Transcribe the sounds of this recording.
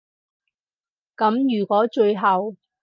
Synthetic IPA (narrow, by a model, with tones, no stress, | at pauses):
kɐ˨˥mjyː˨˩kʷɔː˨˥t͡ʃɵ˧ɥjɦɐ˨w